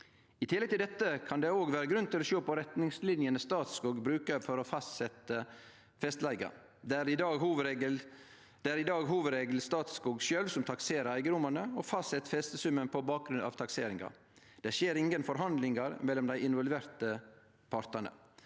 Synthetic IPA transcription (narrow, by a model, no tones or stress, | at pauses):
ɪt̪ʰɪlːɛɡ̚t̪ʰɪld̪ɛt̪ːəkʰɑnd̪ɛoːɡʋæːɾəɡɾʉnt̪ɪlɔʃoːpʰɔɾɛt̪nɪŋslɪnjənəst̪ɑːt̪skuːɡbɾʉːkəɾfɔɾɔfɑst̪sɛt̪ə | fɛst̪læɪɡɑ̰ | d̪ɛɾɪd̪ɑːɡɦuːʋɡəl | d̪̥ɛæɾɪd̪ɑːɡɦuːʋəɾeːɡl̩st̪ɑːt̪skuːɡʃøːlʋsɔmt̪ʰɑkseːɾəɾæɪɡəɾʊmɑnəɔfɑst̪sɛt̪ːə̥fɛst̪əsʉmənpʰɔbɑːk̚ɡɾʉnʔɑ̰ːʋt̪ʰɑkseːɾɪŋɑ̰ | d̪̥ɛʃjeːɾɪŋənfɔɾɦɑnd̪lɪŋɑɾmɛlːɔmd̪æɪɪnʋɔlʋeːɾt̪ə | pʰɑɾt̪ɑɳə̰